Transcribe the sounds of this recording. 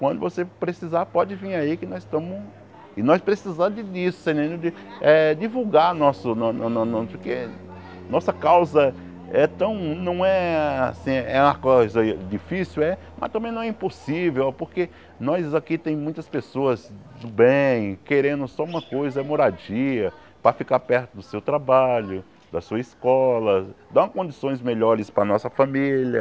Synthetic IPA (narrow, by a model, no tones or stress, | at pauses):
kwɐ̃nd̪ʊvosepɾesizaɾpɔd͡ʒɪvĩaikɪnɔst̪ɐ̃mʊ | ɪnɔspɾesizad̪ɪd̪isʊ̥sẽd̪ẽnd̪ʊd̪ɪɛd̪ivuwɡaɾnɔsʊnɔnnnõpoɾkḛ | nɔsɐkawzɐ | ɛt̪ɐ̃w̃nɐ̃w̃ɛasĩɛ̰ũmɐkojzɐd͡ʒ̪ifisiwɛ | mɐ̰st̪ɐ̃mbẽj̃nɐ̃w̃ɛĩposivewpoɾke | nɔjzakit̪ẽj̃mũj̃t̪ɐspesoɐzd̪ʊbẽj̃keɾẽnd̪ʊsɔũmɐkojzɐmoɾad͡ʒiɐ | pɾɐfikaɾpɛɾt̪ʊd̪ʊsewt̪ɾabaʎʊ | d̪ɐsuɐiskɔlɐd̪ɐ̃w̃kõnd͡ʒ̪isõj̃zmeʎɔɾɪspɾɐnɔsɐfamiʎɐ